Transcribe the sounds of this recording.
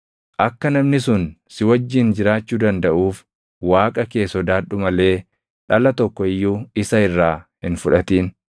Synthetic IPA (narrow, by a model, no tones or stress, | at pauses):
ʔɐkːɐnɐmnɪs̬ʊn | sɪwɐd͡ʒːɪnd͡ʒɪɾaːt͡ʃːuːd̪ɐnd̪ɐʔuːf | waːkʼɐke̞ːsɔd̪aːᶑʊmɐle̞ː | ᶑɐlɐt̪ɔkːɔɪjːuːɪsɐɪrːaːhɪnfʊᶑɐt̪iːn